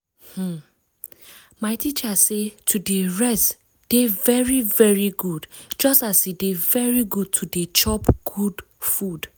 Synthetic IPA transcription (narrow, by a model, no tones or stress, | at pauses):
h̩ | maɪtit͡ʃasetʰudeɹɛst | d̥evɛɹivɛɹiɡudd͡ʒɔstasidevɛɹiɡud̚tʰudet͡ʃɔpɡ̥ud | fud